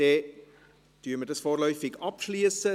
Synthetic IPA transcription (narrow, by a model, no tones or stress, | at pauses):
e | tyəmətəsfoːrlœɥfɪkɑpsliəsə